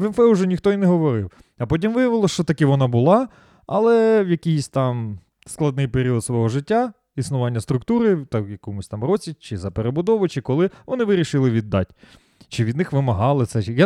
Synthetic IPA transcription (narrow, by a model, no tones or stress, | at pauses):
ʋɛnfɛʊʒɛnʲixt̪ɔinɛɦɔʋɔɾɪw | ɐpɔt̬ʲimʋɪjɐʋɪlˠɔʃt͡ʃɔt̪ɐkɪʋɔnɑbʊlˠɑ | ɐlˠɛwjɐkʲijsʲt̪ɑm | sklˠɐd̪nɪjpeɾʲiɔd̪sʋɔɦɔʒɪtʲːa | isnʊʋɑnʲːɐst̪ɾʊkt̪uɾɪt̪ɐjɐkɔmʊsʲt̪ɑmrɔt͡sʲit͡ʃɪzɐpeɾebʊd̪ɔʋɔt͡ʃɪkɔlˠɪʋɔnɪʋɪɾʲiʃɪlˠɪʋʲid̪ːɑ̰tʲ | t͡ʃɪʋʲid̪nɪxʋɪmɐɦɑlˠɪt̪sɛja